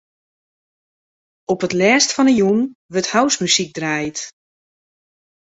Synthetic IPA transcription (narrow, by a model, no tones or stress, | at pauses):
ɔpətlɛːstfɔnəjunʋɵthawsmysik̚drajt